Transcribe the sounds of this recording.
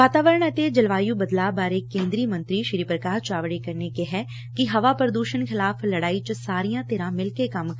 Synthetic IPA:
ʋaːt̪aːʋəɾəɳɛt̪ed͡ʒəlʋaːjũbəd̪laːbaːɾeːkːẽːnd̪ɾimə̃nt̪ɾiʃɾiːpɾəkaːɾt͡ʃaːʋɽekɐɾnekeɦɛ | kiɦɐʋapəɾd̪uːʃənxɪlaːfʰlɐɽaːit͡ʃəsaːɾijãt̪eːɾãmɪlkekɐm

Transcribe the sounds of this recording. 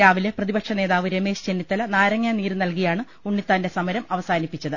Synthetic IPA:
aːʋile̞prɐðibɐkʂɐne̞ːðaːʋɨɾeme̞ːɕt͡ɕenːit̪ːɐlɐnaːɾɐŋːaːniːɾɨnɐlkijaːɳɨ | uɳːit̪ːaːnde̞sɐmɐɾɐmɐʋɐsaːnipːit͡ɕːɐðɨ

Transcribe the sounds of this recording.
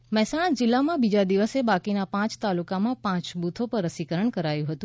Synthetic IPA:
mɛɦsaɭ̃ad͡ʒɪlːamãbid͡ʒad̪iʋəsebakinapãt͡ʃt̪alukamãpãt͡ʃbut̪ʰopəɾːəsikəɾəɳkəɾajũɦət̪ũ

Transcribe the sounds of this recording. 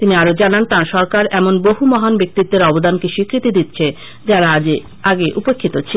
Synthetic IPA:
t̪iniaɾod͡ʑanant̪ãɾʃɔɾkaɾɛmonboɦumɔɦanbek̚t̪it̪ːeɾɔbod̪ankeʃikɾit̪id̪it̪t͡ɕʰe | d͡ʑaɾaad͡ʑe | aɡeʔupekʰːit̪ot͡ɕʰi

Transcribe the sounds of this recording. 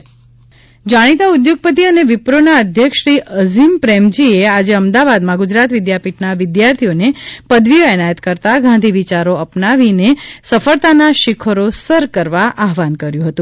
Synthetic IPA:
d͡ʒaɽ̃it̪aud̪joɡ̚pət̪̬iəneʋɪpɾonaəd̪ʱjəkʃɾiʔəzimpɾɛmd͡ʒiead͡ʒeəmd̪aʋad̪mãɡud͡ʒɾat̪ʋɪd̪japiʈnaʋɪd̪jaɾt̪ʰijonepəd̪ʋioɛnajət̪kəɾt̪aɡʱãnd̪ʱiʋit͡ʃaɾoəpnaʋinesəfəɭt̪anaʃɪkʰəɾosəɾkəɾʋaʔaɦʋankəɾjũɦət̪ũ

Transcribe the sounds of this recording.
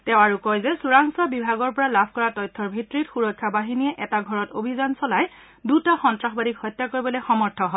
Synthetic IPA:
tɛʊ̃aɹukɔjzɛsuɹaŋsabibʱaɡɔɹpɔɹalabʰʱkɔɹatɔjtʰːɔɹbʱitɹitxuɹɔkʰːabaɦiniɛʔɛtaɡʱɔɹɔtobʱizansɔlaj | dutaxɔntɹaxbadikhɔjtːakoɹibɔloxɔmɔɹtʰɔɦɔ

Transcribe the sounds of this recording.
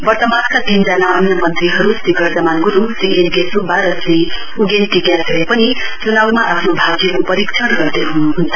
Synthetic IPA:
bʌrt̪ʌmaskad̪ʱind͡zanaːmnʌmʌnt̪riɦʌɾusiɡʌɾd͡zʌmankuɾut̪iʔenɡesubʱaɾʌsi | uɡenʈikjasɾepʌni | t͡sunawmaʔapʰnobʱaɡjiɾupʌɾikt͡ʃʰʌɽɡʌrd̪eɦunuɦunt̪a

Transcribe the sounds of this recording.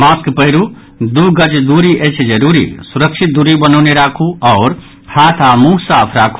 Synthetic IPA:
maskpəɦɾu | d̪uɡəd͡ʒd̪uɾiʔet͡ʃʰd͡ʒəɾuɾḭsuɾəkt͡ʃʰit̪̚d̪uɾibənəʊneɾakʰuɔʊɾ | hat̪ʰamuɦsapʰɾakʰu̥

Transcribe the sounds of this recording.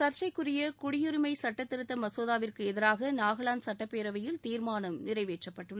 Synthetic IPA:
sɐɾt͡ʃɐɪkːɯrɪjɐkʊɽɪjʊɾɪmɐɪsɐʈːɐt̪ːɪɾɯt̪ːɐmɐsoːðaːʋɪrkɯɛðɪɾaːɣɐnaːɣɐɭaːnsɐʈːɐpːeːɾɐʋɐjɪlt̪iːɾmaːnɐmnɪrɐɪʋeːʈrɐpːɐʈːɯɭːɐ

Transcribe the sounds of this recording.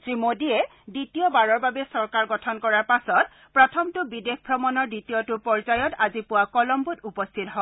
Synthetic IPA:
tɹimodiɛ | ditijɔbaɹɔɹbabɛsɔɹkaɹɡɔtʰɔnkɔɹaɹpasɔt̚ | pɹɔtʰɔmtʊbidexbʱɹɔmɔnɔɹditijɔtʊpɔɹzajɔtazipʊwakɔlɔmbutupɔst̪ʰitɔɦɔ

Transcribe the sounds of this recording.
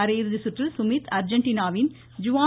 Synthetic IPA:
ɐɾɐjɪɾɯðɯsʊʈrɪlsʊmiːt̪ɐɾd͡ʒɐɳʈiːnaːʋɪn | d͡ʒʊʋaː

